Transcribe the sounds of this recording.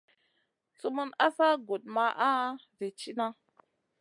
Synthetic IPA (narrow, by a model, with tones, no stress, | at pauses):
t͡su˦mu˦na˦sa˦ɡo˨t̚ma˨ʔa˦ | ve˨t͡ʃi˦na˦